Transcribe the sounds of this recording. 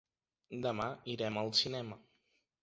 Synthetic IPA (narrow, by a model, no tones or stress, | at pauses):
d̪əmaiɾɛməlˠsinɛmə